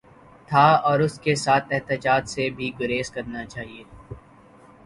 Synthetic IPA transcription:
t̪ʰaɔːɾʊskesaːt̪ʰɛɦt̪ɪt͡ʃaːt̪sebʱiɡʊɾeːskɐɾnat͡ʃaːɦieː

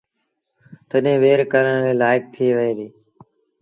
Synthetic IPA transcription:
t̪əɗẽːʋeːɾkəɾəɳ̃leːlaːɪk̚t̪ʰiːʋəẽːd̪iː

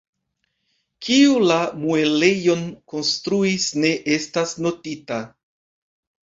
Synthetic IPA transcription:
kʰiulamue̞le̞jo̞nko̞nstɾuisne̞ʔe̞stasno̞tita

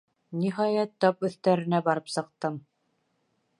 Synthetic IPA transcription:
niɦɑjæt̪ːɑpɵ̆θt̪æɾɘ̆næbɑɾɤpsɤ̆q̚t̪ɤm

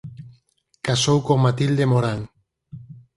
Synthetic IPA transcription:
kasowkomat̪ild̪emoɾaŋ

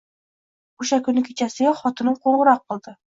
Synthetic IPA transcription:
χuɕækɵ̆nːɘkit͡ɕæsɘχɒt̪ɤ̆nɤɴqoɴʁɤ̆ɾɑq̚bŏlˠd̪ɤ

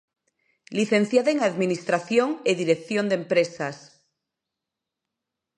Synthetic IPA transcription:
liθẽ̞n̟θjaðaeŋaðminist̪ɾaθjoŋeðiɾekθjond̪empɾesas

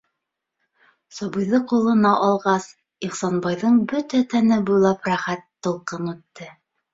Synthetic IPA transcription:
sɑβɤ̆jðɤqulˠɤ̆nɑʔɑlˠʁɑs | iχsɑnbɑjðɤɴbɵt̪æt̪ænɘbujlˠɑpɾæχæt̪ːɤ̆lˠqɤnʉt̪ːɘ

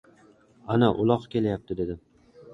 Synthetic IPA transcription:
anaʔʊlˠɒqkʲʰe̞lajap̚t̪ʰɪd̪e̞d̪ɪ

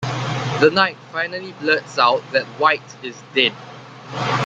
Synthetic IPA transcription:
dənaɪt̚faɪnəliblətsaʊt̚ðɛt̚waɪt | ɪsdɛ̃n

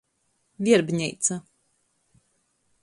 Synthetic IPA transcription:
vʲiɛɾbɲɛjt̪sa

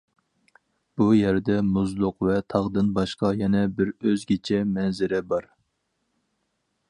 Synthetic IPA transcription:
b̥ujæɾd̪ɛmuzlˠʊqvɛt̪ʰɑʁd̪ɨnbɑʃqɑjɛnɛbɪɾøzɡʲet͡ʃʰɛmɛnzɪɾɪbɑɾ

